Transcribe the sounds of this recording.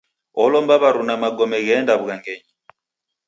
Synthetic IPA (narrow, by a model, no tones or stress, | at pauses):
ɔlɔmbaβaɾunamaɡɔmɛɣɛndaβuɣaŋɡɛɲi